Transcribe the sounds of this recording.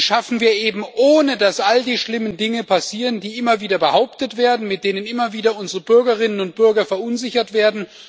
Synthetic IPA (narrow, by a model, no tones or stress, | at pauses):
ʃafn̩viːɐʔeːbm̩ʔoːnədasʔaldiːʃlɪməndɪŋəpʰasiːʁəndiːʔɪmɐviːdɐbəhaʊptətv̥eːɐdn̩mɪt̚d̥eːnənɪmɐviːdɐʊnzəʁəbʏɐɡɐʁɪnənʊnt̚b̥ʏɐɡɐfɛɐʊnzɪçɐtv̥eːɐdn̩